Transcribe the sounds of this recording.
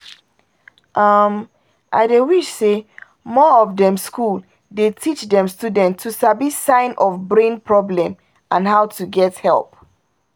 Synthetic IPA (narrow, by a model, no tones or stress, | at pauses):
ʔʌm | ʔa̰ɪdewiʃse | mɔɔvdɛ̃mskʰul | detʰit͡ʃdɛ̃mstudɛ̃ntʰːusabisãɪ̃nʔɔfbɹẽnpʰɹɔblɛ̃m | ʔãnɦaʊtuɡɛthɛ̰lˠp̚